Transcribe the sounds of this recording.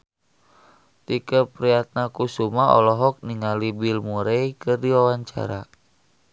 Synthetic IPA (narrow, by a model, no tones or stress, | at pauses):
t̪ikəpɾiat̪̚nakusumaɔ̰lɔɦɔk̚niŋalibilmuɾejkɨrdiwawaɲt͡ʃa̰ɾa